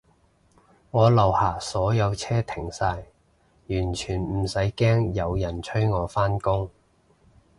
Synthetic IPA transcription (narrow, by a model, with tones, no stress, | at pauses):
ŋɔː˨˧lɐ˨whaː˨˩sɔː˨˥jɐ˨˧wt͡sʰɛː˥t̪ʰɪ˨˩ŋsaː˧j | jyː˨˩nt͡ʃʰyː˨˩nm̩˨˩sɐ˨˥jkɛː˥ŋjɐ˨˧wjɐ˨˩nt͡ʃʰɵ˥ɥŋɔː˨˧faː˥nkʊ˥ŋ